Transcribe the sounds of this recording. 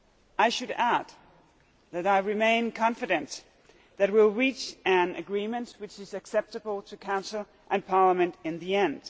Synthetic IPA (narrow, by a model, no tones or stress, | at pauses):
ʔaɪʃɨɾæd̪ | ðɨɾaɪɹɨmẽɪ̃nkʰɑ̃ɱfɨɾɨ̃n | ðɨt̚wɪlˠɹit͡ʃɨ̃nɨɡɹĩmɨ̃nʔwɨt͡ʃɨzɨksɛp̚tɨbl̩ˠtʰɨkʰãʊ̃nsl̩ˠ | ʔɨ̃npʰɑɹləmɨ̃ntɨ̃nðiɛ̃nd̥